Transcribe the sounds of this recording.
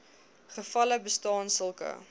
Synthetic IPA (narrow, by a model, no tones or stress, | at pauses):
χəfɐləbəstɑːnsəlˠkə̰